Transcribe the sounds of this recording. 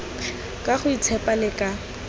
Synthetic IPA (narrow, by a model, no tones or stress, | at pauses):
kʼaχʊit͡sʰɛpʼalɪkʼa